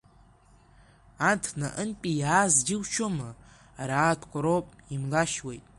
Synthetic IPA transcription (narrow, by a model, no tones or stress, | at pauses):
antʰna̰ʔənpʼijaːzɡʲɪwt͡ʃʰomɨ | aɾaːtʰkʷʰʼaɾopʼimlaʃwejtʼ